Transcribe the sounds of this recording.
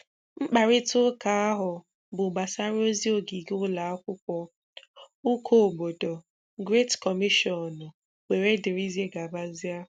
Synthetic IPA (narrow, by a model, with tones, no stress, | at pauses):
ŋ͡m̩˦k͡pa˨ɾɪ˦tʊ˦ka˨a˦ɦʊ˨ | bʊ˨ɡ͡ba˨sa˦ɾo˦zi˦o˨ɡi˨ɡʊ˦la˨a˦kʷʊ˦kʷɔ˦ | u˦kʰo˦o˨bo˨do˨ | ɡɾe˦tkɔ˨mi˦ʃɔ˨nʊ˨ | we˨ɾe˦dɪ˨ɾi˦ze˦ɡa˨ba˦zi˦a˦